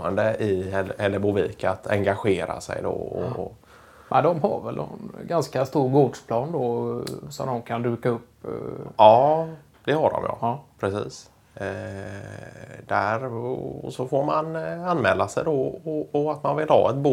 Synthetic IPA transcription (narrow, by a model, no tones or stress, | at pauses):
ənd̪əʔɪɛɛlːəbʊviːkaat̪ʰɛŋɡaɧeːɾa̰sɛ̰jd̪ɔɔ̰ | mʔɛnd̪ɔmɦa̰ɾvɛlʔɛ̰nɡanskast̪uːɾɡoːdʂpʰlɑːnd̪ɔsɔmd̪ɔmkʰand̪ʉ̟ːkaɵpː | ɑː | d̪̥ɛhaɖɔ̰mjɑ̰pʰɾɛsiːs | d̪æɾɔsɔfoɾmananːmɛːlːasɛjd̪ɔɔːat̪manvɪlhɑ̰ːɛt̪̚bu